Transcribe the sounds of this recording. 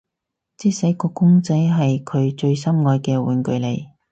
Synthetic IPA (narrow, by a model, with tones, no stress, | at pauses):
t͡siː˥sɐ˨˥jkɔː˧kʊ˥ŋt͡sɐ˨˥jɦɐ˨jkʰɵ˨˧ɥt͡ʃɵ˧ɥsɐ˥mŋɔː˧jkɛː˧wuː˨˩nkɵ˧ɥle˨˩j